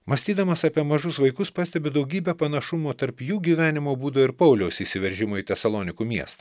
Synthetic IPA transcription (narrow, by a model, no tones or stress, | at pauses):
mɐsʲt̪ʲiːd̪ɐmɐsɑːpʲiɛmɐʒʊsʋɐɪkʊspɑːsʲt̪ʲɛbʲɪd̪ɐʊɡʲiːbʲɛpɐnɐʃʊmoːt̪ɐɾpjuːɡʲiːʋʲæːnʲɪmoːbuːd̪oːɪɾpɐʊlʲɛʊsisʲɪʋʲɛɾʲʒʲɪmoːit̪ʲɛsɐlˠɔːnʲɪkuːmʲiɛst̪ɐ̥